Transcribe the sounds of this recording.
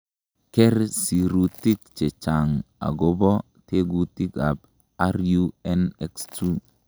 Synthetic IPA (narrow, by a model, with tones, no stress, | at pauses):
kɛ˦ɾsi˨ɾu˨tːi˦k̚t͡ʃe˨t͡ʃa˨ŋa̰˨ɡo˦bɔ˦ | te˦ɡu˨ti˦ka˨b | a˦ɾju˦ɛ˦nɛ˦kstu˦